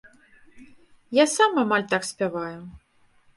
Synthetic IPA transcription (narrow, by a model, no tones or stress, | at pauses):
jasamamalʲt̪aksʲpʲavajʊ